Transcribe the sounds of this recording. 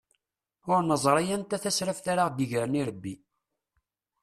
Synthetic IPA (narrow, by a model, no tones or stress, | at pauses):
ʊɾnəzˤɾˤɑjænt̪æθæsɾæfθaɾaʁd̪iʝɾəniɾəbːi